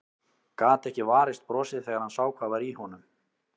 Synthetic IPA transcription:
kaːt̪ɛhcɪvaːɾɪst̪̚pɾɔːsɪðθɛːɣaɾ̥hansaːwkʰvaːvaɾihɔnʏm

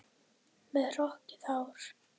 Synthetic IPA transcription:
mɛðr̥ɔhcɪ̥θawɾ̥

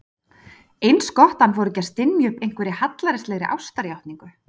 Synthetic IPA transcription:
ejnskɔht̪anvɔɾʏcɛst̪ɪnːjʏhpejŋ̥kvɛɾɪhat̪laɾɪslɛɣɾɪʔa̰wst̪aɾjawht̪niŋkʏ

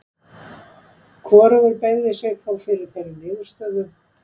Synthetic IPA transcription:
kʰvɔːɾʏɣʏɾpeːjɣðɪsɛɣθawfɪːlʏθajɾɪnɪːɣʏɾ̥st̪œːðʏm

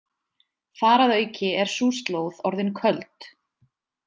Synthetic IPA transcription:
faːɾaðœːɥcɪɛɾ̥suːst̪loːwðɔɾðɪnkʰœlt̪

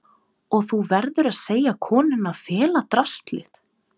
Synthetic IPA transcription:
ɔɣθuvɛɾðʏɾaðseːjakʰɔːnʏnaðfɛːlat̪ɾast̪lɪ̰θ

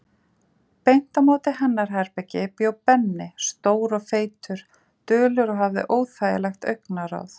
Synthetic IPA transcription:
pejn̥t̪amoːt̪ɪɦɛnːaɾ̥ɦɛɾpɛcɪpjoːwpɛnːɪst̪oːwɾɔɣfeːjt̪ʰʏɾ̥ | t̪œːlʏɾɔɦavðɪ̰ʔoːwθaːjɪ̰lɛxt̪œɥknaɾa̰wθ

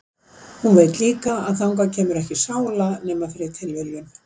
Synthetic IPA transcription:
hunveːjt̪liːkaaðθawŋkacʰɛːmʏɾɛhcɪsaːwlanɛːmafɛɾɪ̥t̪ʰɪlvɛljʏn

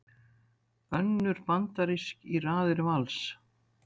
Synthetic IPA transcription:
œnːʏɾpant̪aɾiskiraːðɪɾvals

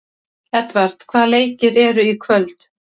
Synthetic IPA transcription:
ɛt̪vaɾ̥t̪kʰvaːðleːjcɪɾɛɾʏikʰvœlt̪

